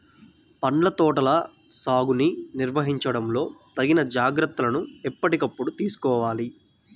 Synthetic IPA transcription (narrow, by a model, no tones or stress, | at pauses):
pɐɳlɐt̪ɔːʈɐlɐ | saːɡuniniɾʋɐɦiɲt͡ʃɐɽɐmlo̞ːt̪ɐɡinɐd͡ʒaːɡɾɐt̪ːɐlɐnuɛpːɐʈikɐpːuɽut̪iːsu̥kɔːʋaːli